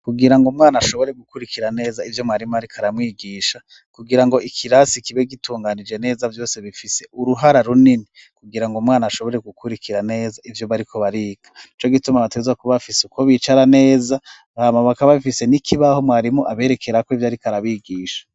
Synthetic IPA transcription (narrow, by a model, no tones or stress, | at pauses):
kuɡiɾaŋɡomŋaːnaʃo̞βo̞ɾe̞ɡukuɾikʰiɾane̞ːzaivjo̞mwaːɾimoaɾikʰaɾamwiːɡiːʃa | kuɡiɾaŋɡo̞ikʰiɾasikiβe̞ɡituːŋɡaːnid͡ʒe̞ne̞ːzavjo̞ːse̞βifise̞uɾuɦaɾaɾunini | kuɡiɾaŋɡomŋaːnaʃo̞βo̞ɾe̞ɡukuɾikʰiɾane̞ːzaivjo̞βaɾikʰo̞βaɾikḁnit͡ʃo̞ɡitumaβatezwakuβafiseukoβit͡ʃaɾane̞ːza | βaːmaβakaβaβifise̞nikʰiβaho̞mwaːɾimoʔaβe̞ːɾe̞kʰe̞ɾakoivjaɾikaɾaβiːɡiːʃḁ